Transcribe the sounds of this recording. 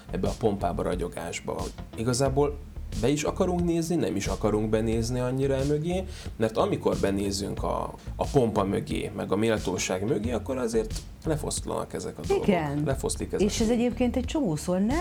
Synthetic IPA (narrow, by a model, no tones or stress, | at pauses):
ɛbːɛɒpo̞mpaːbɒɾɒ̰ɟo̞ɡa̰ːʒbɒ̰hoɟiɡɒzaːboːl | bɛiʃɒkɒɾuŋkneːzninɛmiʃɒkɒɾuŋɡbɛneːzniɒɲːiɾɒɛmø̞ɡeːmɛrt̪ɒmiko̞rbɛneːzyŋkɒ̰ɒpo̞mpɒmø̞ɡḛːmɛɡɒmeːlt̪oːʃaːɡmøɡeːɒkːo̞ɾɒzeːrt̪ | lɛfo̞st̪lɒ̰nɒ̰kɛzɛ̰kɒd̪oilɡɛnlʔɛfo̞̰st̪likɛzeʃɛzɛɟeːp̚keːnt̪ɛc̚t͡ʃomoːsornɛ